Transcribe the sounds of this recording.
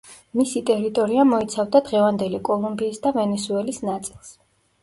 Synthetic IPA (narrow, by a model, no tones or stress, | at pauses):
misit̪ʼɛɾit̪ʼɔɾiamɔit̪sʰavd̪ad̪ʁɛvand̪ɛlikʼɔlˠumbiːsd̪avɛnɛsuɛlisnat̪sʼilˠs